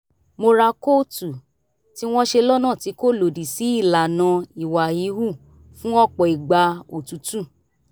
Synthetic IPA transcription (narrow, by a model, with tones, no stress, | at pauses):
mo˧ɾa˧ko˦tu˨ | ti˦w̃ɔ̃˦ʃe˧lɔ˦nã˦˨ti˨˧˦ko˦˨lo˨di˨si˨˦i˦˨la˨nã˧i˨wa˨i˨˦hu˦˨ | fũ˦ɔ˦k͡pɔ˨i˨ɡ͡ba˧o˨tu˨˦tũ˦˨